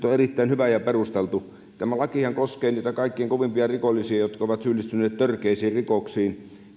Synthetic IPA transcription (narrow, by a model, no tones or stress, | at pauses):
t̪oerit̪ːæˑinhyʋæjɑperust̪elt̪u | t̪æmælɑkihɑŋkoskeːniːt̪ækɑˑikːieŋkoʋimpiɑrikolːisiɑjot̪kɑoˑʋɑt̪syːlːist̪ynˑeːt̪t̪ørkeˑisiːrrikoksiːn